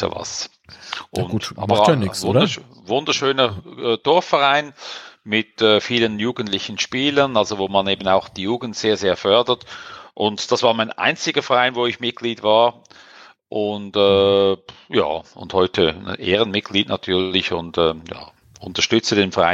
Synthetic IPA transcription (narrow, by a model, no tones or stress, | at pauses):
ə̰va̰s | ʔʊ̰na̰bvʊdə | vʊndəʃøːnəːd̥ɔɐfɛʁaɪnmɪtɛːfiːlənjuːɡən̩tlɪçən̩ʃpiːlənalzovoːmaneːbn̩aʊxd̥iːjuːɡn̩tseːɐzeːɐfœɐdətʔʊntd̥asv̥aːɐmaɪna̰ɪnt͡sɪɡɐfɛʁaɪnvoːɪçmɪt̚ɡ̥liːdvaːɐ | ʔʊntɛː | ja̰ːʊ̰nthɔʏtʰə̰ʔeːʁənmɪt̚ɡ̥liːtnʔa̰tʰyːɐlɪçʊntɛːja̰ː | ʔʊntɐʃtʏt͡sədeːnfɛʁa̰ɪn